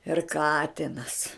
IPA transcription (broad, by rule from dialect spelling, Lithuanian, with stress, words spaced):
ɪr ˈkɑːtʲɪnɐs